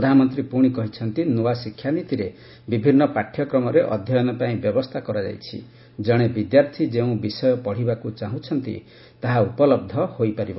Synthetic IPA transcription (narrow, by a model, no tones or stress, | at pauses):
pɾɔd̪ʱanɔmɔnt̪ɾipuɽ̃ikɔɦit͡ʃʰɔnt̪inuwasikʰjanit̪iɾe | bibʱinːɔpaʈʰːjɔkɾɔmɔɾeʔɔd̪ʱjɔjɔnɔpaĩbjɔbɔst̪ʰakɔɾad͡ʒa̰jt͡ʃʰḭ | d͡ʒɔɽ̃ebid̪jaɾt̪ʰid͡ʒeũbisɔjɔpɔɽ̤ibakut͡ʃaɦũt͡ʃʰɔnt̪ḭ | t̪aɦaupɔlɔb̚d̪ʱɔhojpaɾibɔ